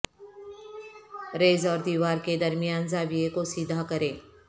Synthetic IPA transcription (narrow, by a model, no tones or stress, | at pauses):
ɾeːzɔːɾd̪iːʋaːɾked̪ɐɾmijaːnzaːʋiekosid̪ʱakɐɾẽː